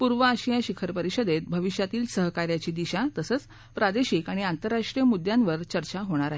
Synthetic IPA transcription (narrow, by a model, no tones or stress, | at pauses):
puɾʋəaɕijaɕikʰəɾpəɾiɕəd̪et̪̚bʱəʋiɕjat̪iːlsəɦkaɾjat͡ɕiːd̪iɕat̪əsət͡s | pɾad̪eɕikaɽ̃iant̪əɾːaʂʈɾijəmud̪janʋəɾt͡ɕəɾt͡ɕaɦoɽ̃aɾaɦe